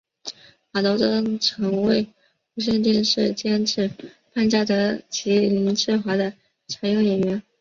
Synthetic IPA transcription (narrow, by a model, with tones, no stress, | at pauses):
xa˨˩t̪o˧˥ʊʈ͡ʂɤ˥ŋʈ͡ʂʰɤ˧˥ŋwe˥˩ɪ | u˧˥ɕ̬jɛ˥˧nt̪i˥˧nʂɻ̩˥˩t͡ɕjɛ˥nʈ͡ʂʰɻ̩˥˩ | pa˥˧nt͡ɕja˥˩t̪ɤ˧˥t͡ɕʰi˧˥li˧˥ŋʈ͡ʂʰɻ̩˥˩xwa˧˥d̪ə˧ | t͡sʰa˧˥ɪjo˥˩ŋjɛ˨˩nɥɛ˧˥n